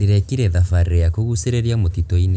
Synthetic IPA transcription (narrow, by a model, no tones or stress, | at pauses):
liɾɛkiɾɛðafaɾejakoɣuseɾeɾiamotitɔin